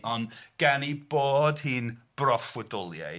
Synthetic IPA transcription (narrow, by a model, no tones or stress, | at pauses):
ʔɔnɡ̥ɛniboːdhɨːnb̥rɔfwədʊlˠja̰